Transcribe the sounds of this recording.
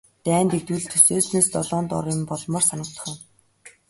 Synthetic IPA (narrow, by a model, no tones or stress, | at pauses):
t̪æːnt̪ek̚t̪wuːɮt̪ʰɵseːsneːst̪ɔɮɔːnt̪ɔ̰ɾɪ̆mpɔɮmɔːrsanə̆kt͡s̪ə̥̆χæ̆ː